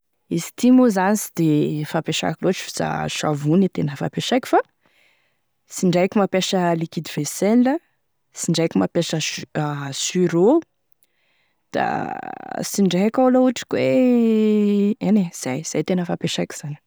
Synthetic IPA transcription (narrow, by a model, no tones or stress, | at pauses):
isi̥t̪imuzanisid̪efapeʃa̰kʲiloʈ͡ʂi̥fi̥z̥a̰ʃa̰vunit̪enəfa̰peʃajkʲi̥fa | siɳɖ͡ʐajkʲimapeʃəlikid̪iv̥esenlə | siɳɖ͡ʐajkimapeʃəasyɾo | d̪̥a̰ | siɳɖ͡ʐakawlauʈ͡ʂi̥kʲwe | enez̥ajz̥ajt̪enəfapeʃajkʲi̥z̥ani̥